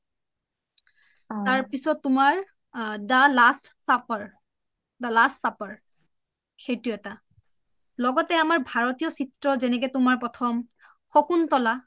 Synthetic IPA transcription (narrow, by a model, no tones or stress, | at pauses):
taɹpisɔtːʊmaɹ | dalastsapaɹ | dalastsapaɹ | xejtuɛta | lɔɡɔtɛamaɹbʱaɹɔtijɔsitɹɔzɛnɛkɛtʊmaɹpɔtʰɔm | xɔkuntɔla